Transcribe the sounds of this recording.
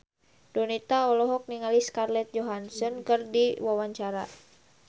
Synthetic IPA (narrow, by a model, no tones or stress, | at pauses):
donit̪aɔlɔɦɔk̚niŋaliskarlɛt̪̚d͡ʒɔɦansɔnkɨrdiwawaɲt͡ʃaɾa̰